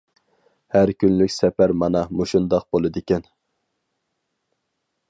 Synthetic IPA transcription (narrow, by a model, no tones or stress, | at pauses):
hæɾkʲynlykʲsɛpæɾmɑnɑmuʃund̪ɑq̚bolˠɨd̪ɪkʲɛn